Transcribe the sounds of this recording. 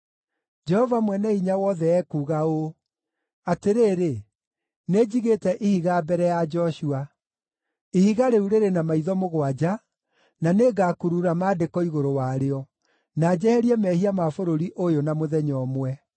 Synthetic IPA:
d͡ʒɛhɔvamwɛnɛiɲawɔðɛɛkuːɣao | ateɾeːɾe | ned͡ʑiɣetɛʔihiɣaːbɛɾɛjad͡ʒɔʃua | ihiɣaɾeuɾeɾenamaiðɔmoɣwad͡ʑa | naneːɡaːkuɾuɾamaːdekɔiɣoɾowaɾeɔ | naːd͡ʑɛhɛɾiɛmɛhiamafoɾoɾiʔojonamoðɛɲɔːmwɛ

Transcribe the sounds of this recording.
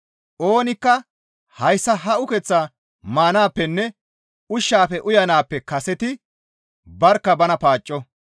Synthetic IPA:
ʔoːnɪkːɐ | hɐjsːɐɦɐʔʊkɛt͡sːaː | maːnaːpːɛnːɛ | ʊʃːaːfɛʔʊjɐnaːpːɛkɐsɛt̪ɪ | bɐɾkːɐbɐnɐpaːt͡ʃʼːɔ

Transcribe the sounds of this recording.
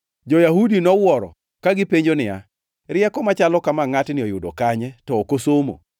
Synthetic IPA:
d͡ʒɔjahudinɔwɔɾɔ̰ | kaɡɪpeɲd͡ʒonɪa | ɾɪjɛkɔmat͡ʃalɔkamaŋatnɪɔjʊdokaɲɛtɔokosomo̰

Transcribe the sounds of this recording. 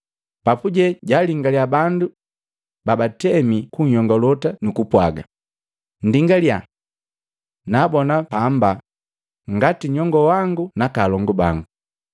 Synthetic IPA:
papuɟɛɟaliŋɡaljabandu | babatɛmikuɲhɔŋɡɔlɔtanukupwaɡa̰ | n̩diŋɡalja | nabɔnapamba | ŋɡatiɲɔŋɡɔwaŋɡunakalɔŋɡɔbaŋɡu

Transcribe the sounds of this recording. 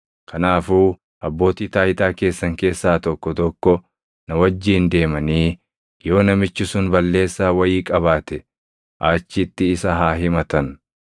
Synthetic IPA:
kʰɐnaːfuː | ʔɐbːo̞ːt̪iːt̪aːjɪt̪aːke̞ːsːɐŋke̞ːsːaːt̪ɔkːɔt̪ɔkːɔ | nɐwɐd͡ʒːiːnd̪e̞ːmɐniː | jo̞ːnɐmɪt͡ʃːɪsʊnbɐlːe̞ːsːaːwɐjiːkʼɐβaːt̪ɛ | ʔaːt͡ʃːɪt̪ːɪːsɐɦaːɦɪmɐt̪ɐn

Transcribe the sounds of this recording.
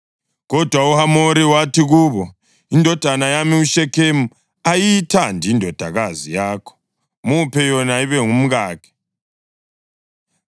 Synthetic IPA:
ɣɔd̥ʱwauhamoɾiwatʰiɣuːβɔ | indʱɔd̥ʱanajamiuʃɛkʰemu | ajiitʰandʱiindʱɔd̥ʱaɣazijaːkʰɔ̥ | mupʰɛjɔnaiβɛŋum̩ɣaːkʰɛ̥

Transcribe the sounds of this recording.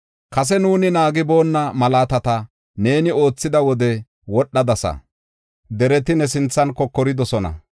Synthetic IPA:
kɐs̬ɛnuːnɪnaːɡɪbo̞ːnːɐmɐlaːt̪ɐt̪ɐ | ne̞ːnɪo̞ːt͡sːɪd̪ɐwɔd̪ɛ | wɔɗːɐd̪ɐsɐ̰ | d̪ɛɾɛt̪ɪnɛs̬ɪnt͡sːɐnkɔkːɔɾɪd̪ɔsɔnɐ̰

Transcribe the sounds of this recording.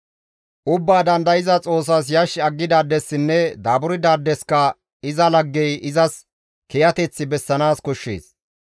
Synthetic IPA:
ʔʊbːaːd̪ɐnd̪ɐjɪzɐt͡sʼo̞ːs̬ɐs̬jɐʃːɐɡːɪd̪aːd̪ːɛsːɪnːɛd̪aːbʊɾɪd̪aːd̪ːɛskɐ | ɪzɐlɐɡːɛjʔɪzɐs | kɛjɐt̪ɛt͡sːɪbɛsːɐnaːskɔʃːḛːs

